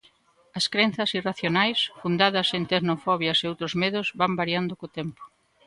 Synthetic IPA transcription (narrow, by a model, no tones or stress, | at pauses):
ɐskɾen̟θɐsiraθjonajsfund̪aðɐsent̪eɾnofɔβjɐseowt̪ɾozmeðʊzβambaɾjand̪ʊkot̪empo̥